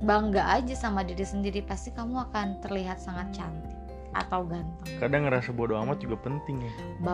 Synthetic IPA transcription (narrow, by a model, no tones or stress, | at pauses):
baŋɡaʔad͡ʒasamadiɾisəndiɾipast̪ikamuakant̪ərliɦat̪̚saŋat̪̚t͡ʃant̪ɪk | a̰t̪awɡant̪ʊŋkadaŋəɾasabodoamat̪̚d͡ʒuɡapənt̪ɪŋja | ba